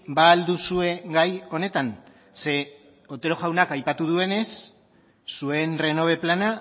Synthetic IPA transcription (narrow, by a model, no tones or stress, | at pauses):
baːld̪usue̞ɡajo̞ne̞t̪an | se̞ | ot̪e̞ɾo̞ɣawnakajpat̪uð̞ue̞ne̞sː | ue̞nre̞no̞β̞e̞plana